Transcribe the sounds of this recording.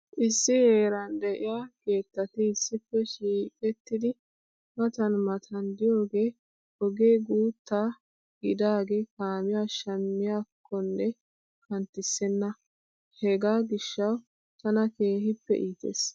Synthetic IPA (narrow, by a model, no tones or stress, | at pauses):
ʔɪsːɪjeːɾɐnd̪ɛʔɪjaːke̞ːt̪ːɐt̪ɪːsːɪpːɛʃiːkʼɛt̪ːɪd̪ɪ | mɐt̪ɐnmɐt̪ʰɐnd̪ɪjo̞ːɡe̞ː | ɔɡeːɡuːt̪ːaː | ɡ̥ɪd̪aːɡekaːmɪjaːʃɐmːɪjaːkʰːɔnːɛ | kɐnt̪ːɪsːɛnːɐ | hɛɡaːɡɪʃːɐw | t̪ɐnɐke̞ːhɪpːɛ̰ʔiːt̪ḛːs